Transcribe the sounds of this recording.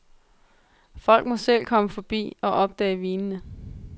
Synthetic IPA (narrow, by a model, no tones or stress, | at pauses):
fɒ̽l̰ɡ̥̚mɒ̽sel̰kʰɒ̽məfɒ̽b̥ḭːɒ̽ʔɒ̽b̥̚d̥ɛ̰ːɪʋiːnnə